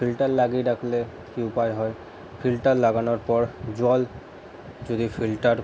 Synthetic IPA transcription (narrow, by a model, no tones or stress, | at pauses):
pʰilʈaɹlaɡidakʰlɛ | kiʊpajɦɔj | pʰilʈaɹlaɡanɔɹpɔɹzɔl | zod̪ipʰiltaɹ